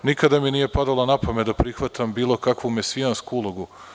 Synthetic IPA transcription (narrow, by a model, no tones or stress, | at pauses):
nikad̪aminiːje̞pad̪alˠanapomed̪apɾixʋat̪ʰambiːlˠo̞kakʋumesianskuulˠoɡu